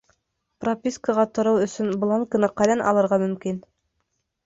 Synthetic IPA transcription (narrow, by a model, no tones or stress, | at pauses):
propʲiskəʁɑt̪ŏɾɤwɵ̆sɵnblˠoŋkɤ̆nɤqɑlɑnʔɑ̰lˠɤ̆ɾʁɑmɵ̆mkin